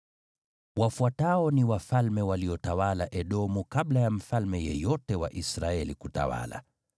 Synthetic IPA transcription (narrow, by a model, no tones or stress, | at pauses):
wafuataɔniwafalmɛwaliɔtawalaʔɛɗɔmukaɓlajam̩falmɛjɛ̰jɔtɛwa̰ʔisɾaɛlikuta̰wa̰la̰